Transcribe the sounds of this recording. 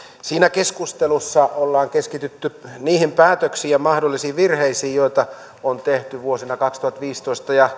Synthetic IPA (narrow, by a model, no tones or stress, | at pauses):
siːnækeskust̪elusːɑolːɑːŋkeskit̪yt̪ːyniːhimpæːt̪øksiːɑmɑhdolːisiːʋirheisiːjoit̪ɑ | ont̪eht̪yʋuosinɑkɑkst̪uhɑt̪ʋiːst̪oist̪ɑjɑ